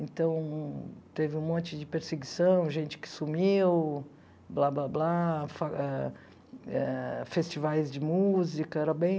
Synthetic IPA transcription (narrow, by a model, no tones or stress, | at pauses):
ẽt̪ɐ̃w̃t̪evɪũmõnt͡ʃɪd͡ʒɪpeɾseɡisɐ̃w̃ʒẽnt͡ʃɪ̥kɪ̥sumiw | blablablafaɛ | ɛfest͡ʃivajzd͡ʒɪmuzikɐɛɾɐbẽj̃